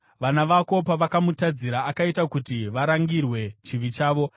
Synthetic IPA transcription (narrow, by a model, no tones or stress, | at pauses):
ʋanaʋako̞paʋakamutad͡ziɾaːkaitakutiʋaɾaŋɡirwe̞t͡ʃiʋit͡ʃaːʋo̞